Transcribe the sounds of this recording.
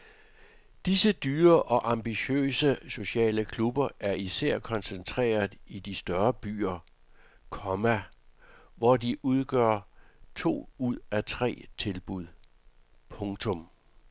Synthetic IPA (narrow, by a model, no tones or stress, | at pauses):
d̥isəd̥yːɐʔɒ̽ʔɑ̈mb̥iɕø̰ːsəso̝ɕɛ̰ːləkʰlub̥ɐʔæɐisæɐ̰kʰɒ̽nsənt͡sʰʁɛ̰ːɐð̩ˠid̥isd̥ɶɐb̥y̰ːɐ | kʰɒmæ | ʋɒdiʔuð̞ˠɡ̥ɶɐ̰t͡sʰo̝̰ːuð̰ˠæt͡sʰʁɛ̰ːt͡sʰe̝lb̥uð̞̰ˠ | pʰɔ̽ŋt͡sʰɔ̽m